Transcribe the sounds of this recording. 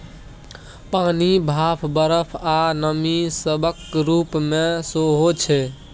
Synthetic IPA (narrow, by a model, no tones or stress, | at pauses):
panibʱapʰbəɾəpʰanəmisəbʱəkɾupmesoɦot͡ʃʰɛ